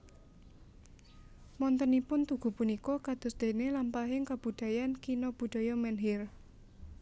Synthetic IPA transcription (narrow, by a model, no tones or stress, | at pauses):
mɔnt̪ənipʊnt̪uɡ̥ṳpunikɔkad̪̥ʊ̤sd̪̥e̤nelampaɦɪŋkab̥ṳd̪̥a̤jankinɔb̥ṳd̪̥ɔ̤jɔmɛnɦɪr